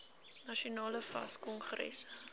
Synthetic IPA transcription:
nɐʃiunɑːləfɐ̰skɔnχɾɛ̰s

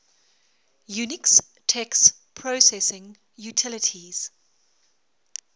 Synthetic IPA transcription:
junɪks | tʰɛks | pʰɹosɛsɪ̃ŋ | jutʰɪlətʰiz̥

